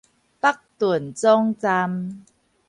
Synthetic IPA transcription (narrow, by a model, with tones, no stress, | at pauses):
pa˦k̚t̪u˨˩ənt͡sɔ˦ŋt͡sa˧m